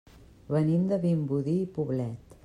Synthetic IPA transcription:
βənimd̪əβimbuðiːpuβlɛt̪

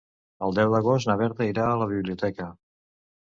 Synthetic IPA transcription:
əlˠd̪ɛwd̪əɣ̞ost̪nəβɛɾt̪əiɾaːləβ̞iβliut̪ɛkə

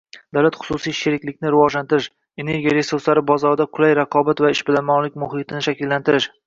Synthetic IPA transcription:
d̪awlat̪χʊ̥sʊsijʃeɾɪkʲlɪk̚ʲnɪɾɪvɒʒlant̪ɪɾɪʃ | e̞ne̞ɾɡʲijaɾe̞suɾslaɾɪbɒzɒɾd̪aqʰʊlajɾaqʰɒbat̪vaɪʃbɪlamɒnlɪk̚ʲmʊɦɪt̪ʰɪnɪʃakʲɪlːant̪ɪɾɪʃ

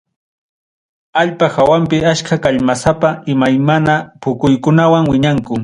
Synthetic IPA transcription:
aʎpaxawampɪaʃkakaʎmasapaɪmajmanapʊkʊjkʊnawaŋwɪɲaŋkʊ

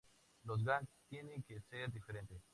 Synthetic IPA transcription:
loz̬ɡant̪jenẽŋkeseɾd̪ifeɾẽnt̪es

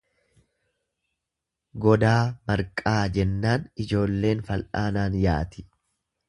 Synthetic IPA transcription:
ɡɔd̪aːmɐɾkʼaːd͡ʒɛnːaːnɪd͡ʒo̞ːlːe̞ːnfɐlʔaːnaːnjaːt̪ɪ̥

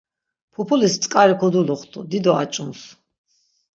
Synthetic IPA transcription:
pʰɔpʰulist̪sʼkʼaɾikʰɔd̪uluχt̪ʰʼṵd̪id̪ɔa̰t͡ʃʼuns

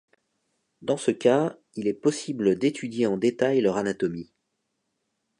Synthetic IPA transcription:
d̪ɑ̃səka | ilɛpɔsibləd̪et̪ʰyd̪jeɑ̃d̪et̪ajlœʁanat̪ɔmi

